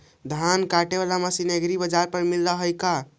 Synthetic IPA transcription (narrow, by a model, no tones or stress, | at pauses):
d̪ʱankaʈeβalamasineɡɾibəd͡ʒaɾpəɾmilːəɦəjka